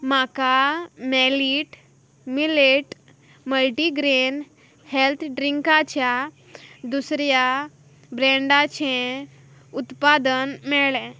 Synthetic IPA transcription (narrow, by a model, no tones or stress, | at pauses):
makameliʈ | mileʈ | məlʈiɡɾen | helt̪ʰɖɾiŋkat͡ɕja | d̪usɾja | bɾɛ̃ɳɖat͡ɕẽ | ut̪pad̪ənmɛɭẽ